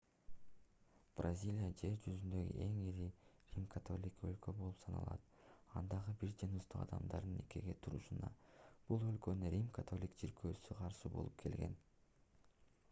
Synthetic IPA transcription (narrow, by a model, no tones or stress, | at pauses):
b̥rɐzʲilʲijad͡ʒe̞ɾd͡ʒyzynd̪ø̞ɡḭʔe̞ŋiɾirʲimkʰat̪ʰo̞lʲikø̞̰lkø̞bo̞lˠupsɑnɑ̰lˠɑ̰t̪ | ɑnd̪ɑʁɯbiɾd͡ʒɯnust̪uqɑ̰d̪ɑmd̪ɑɾd̪ɯne̞keɡe̞t̪ʰuɾuʃunɑ̰b̥ulˠø̞lkø̞nynɾʲimkat̪ʰo̞lʲikd͡ʒiɾkʰøːsyqʰɑɾʃɯbo̞̰lˠup̚kʰe̞lɡe̞̰n